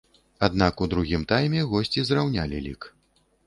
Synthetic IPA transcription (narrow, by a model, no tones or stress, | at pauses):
ad̪nakud̪ɾuɣʲimt̪ajmʲɛɣɔsʲt͡sʲizrawnʲalʲḭlʲḭk